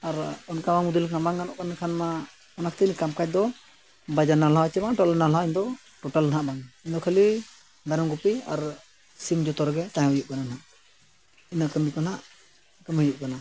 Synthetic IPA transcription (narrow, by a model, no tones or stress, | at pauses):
aɾɔnkamamud̪ulabaŋanɔʔkankʰanma | ɔnakʰt̪inkamkac̚d̪ɔ | bad͡ʒanalawt͡ʃɛmaʈɔlnalaiɲd̪ɔ | ʈɔʈalnɦaʔbaŋiɲd̪ɔkʰəli | d̪aɾɔŋɡupia̰ɾ | simd͡ʒɔt̪ɔɾɡɛt̪ajɔjuʔ̚kanannaʔ | inakəmikɔnaʔ | kəmhəjuʔkana